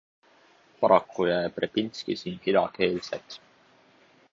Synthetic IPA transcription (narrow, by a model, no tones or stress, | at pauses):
pɑɾɑkːujæeprepinʲskisiːnhid̪ɑke̞ːlsḛt̪